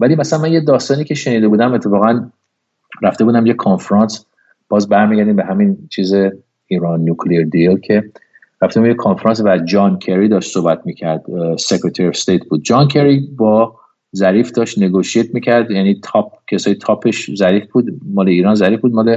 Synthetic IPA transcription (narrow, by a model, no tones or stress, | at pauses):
vælimæsalænmænjed̪ɒːst̪ɒːniːcʰʲe̞ʃe̞niːd̪e̞buːd̪æmet̪ʰːe̞fɒːɣæn | ræft̪ebuːd̪æmjekʰonfeɾɑns | b̥ɒːzbæɾmiːɟæɾd̪iːmbeɦæmint͡ʃʰiːze | iːɾɒːnːukʰleeɾd̪ilcʰe̞ | ɾæft̪ebumjekʰonfeɾɑːnsvæd͡ʒɒːnkʰeɾid̪ɒːʃt̪sohbæt̪̚ʰmiːcʰæɾd̪sekɾet̪ʰæɾiɒst̪ejt̪̚ʰbuːd̪̚d͡ʒɒːncʰeɾibɒː | zæɾiːfd̪ɒːʃt̪neɡoʃiet̪ʰmiːcʰæɾd̪jæniːt̪ʰɒp̚ʰcʰesɒːjet̪ʰɒpʰe̞ʃzæɾiːfbuːd̪mɒːleiːɾɒːnzæɾiːfbuːd̪mɒːle